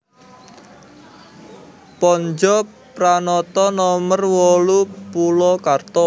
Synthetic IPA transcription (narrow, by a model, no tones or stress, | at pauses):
pɔɲd͡ʒɔ | pɾanɔt̪ɔnɔmərwɔlupulɔkart̪ɔ